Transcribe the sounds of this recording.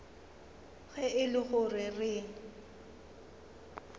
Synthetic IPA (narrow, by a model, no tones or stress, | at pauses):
ɣɛɪlɪχʊrɪrɪːŋ̩